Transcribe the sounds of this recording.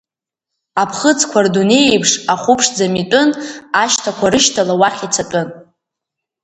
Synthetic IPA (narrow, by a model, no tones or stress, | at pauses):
apʰχət͡sʰʼkʷʰardunejejpʰʂaχʷʊpʰʂd͡zamitʷʼʊnaʃtʰakʷʰaɾɨʃtʰalawaχʲit͡sʰatʷʼʊn